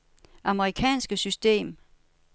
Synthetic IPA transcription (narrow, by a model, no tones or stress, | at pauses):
ʔɑ̈məʁikʰɛ̰ːnsɡ̥əsysd̥e̝̰ːm